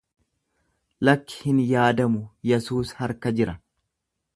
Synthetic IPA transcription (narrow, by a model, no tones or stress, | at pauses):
lɐkːɪ̥hɪnjaːd̪ɐmʊjɛsuːshɐɾkɐd͡ʒɪɾɐ